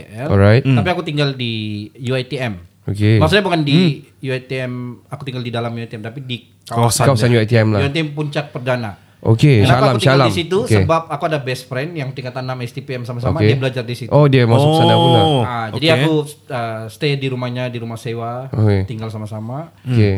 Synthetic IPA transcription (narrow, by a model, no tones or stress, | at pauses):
ɛɔajt̪t̪apiakut̪iŋɡaldijuajt̪iɛm | okemaks̬ut̪ɲabəkandijuat̪iɛmakut̪iŋɡaldidalamjuat̪iɛmt̪apidi | kawasakawasanjuat̪iɛmlauat̪iɛmpuɲt͡ʃak̚pərdana | ʔo̰keaalaumalaimsit̪usəbap̚akuadabɛsfɾɛnjaŋt̪iŋkat̪anːamɛst̪ipeɛmsamasamaeiabəlad͡ʒardisitodiamassaŋaad͡ʒadiakuəsə̥t̪ediɾumahɲadiɾumahsewaoket̪iŋɡalsamasamake